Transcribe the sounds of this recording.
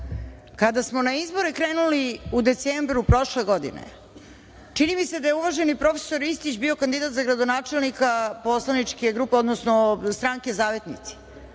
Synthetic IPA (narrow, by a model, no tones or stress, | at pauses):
kad̪asmo̞naizbo̞ɾekɾeːnuliud̪e̞t̪seːmbɾupɾo̞ʃle̞ɡo̞d̪ḭnḛ | t͡ʂinimise̞d̪ajeuʋaʒe̞nipɾo̞fe̥so̞ɾist̪it͡ɕbio̞kand̪id̪at̪zaɡɾad̪onaːt͡ʂe̞lˠnikapo̞slˠanit͡ʂkeɡɾuːpeo̞d̪nosnost̪ɾaŋke̞zaːʋe̞t̪nḭt̪si̥